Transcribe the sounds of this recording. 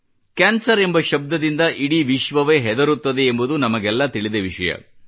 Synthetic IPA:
kaːnsɐɾe̞mbɐʃɐb̚d̪ɐd̪ind̪ɐʔiɽiʋiʃʋɐʋeːɦɛd̪ɐɾut̪ːɐd̪e̞ːmbud̪unɐmɐɡɛlːɐt̪iɭid̪eʋiʂɐjɐ̰

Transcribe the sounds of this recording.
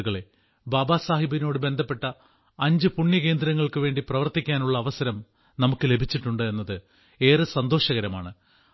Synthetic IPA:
ɣɐɭe̞ | baːbaːsaːɦibino̞ːɽɨbe̞nd̪ʱɐpːe̞ʈːɐ | ɐɲd͡ʑɨpuɳjɐke̞ːnd̪ɾɐŋːɐɭkɨʋe̞ːɳɖiprɐʋɐrt̪ikʲːaːnuɭːɐːʋɐsɐɾɐm | nɐmukːɨle̞bʱit͡ɕːiʈːuɳɖɨe̞nːɐðɨ | e̞ːrɨsɐnd̪o̞ːʂɐɣɐɾɐma̰ːɳɨ

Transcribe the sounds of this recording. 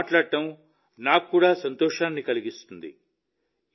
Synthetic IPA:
ʈlaːɽʈɐm | naːkkːuːɽaːsɐnt̪ɔːʂaːnːikɐliɡist̪und̪ḭ

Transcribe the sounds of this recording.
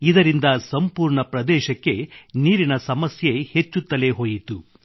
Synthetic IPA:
id̪ɐɾind̪ɐsɐmpuːɾɳɐpɾɐd̪ɛːʃɐkːe̞niːɾinɐsɐmɐsje̞he̞t͡ʃːut̪ːɐle̞ɦo̞ːjit̪u

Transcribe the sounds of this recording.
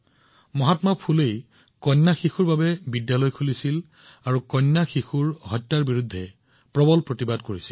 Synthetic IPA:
mɔɦatmapʰulej | kɔnːaxixuɹbabɛbidjalɔjkʰulisil | aɹukɔnːaxixuɹɦɔjtːaɹbiɹudʱːɛ | pɹɔbɔlpɹotibadkoɹisi̥l

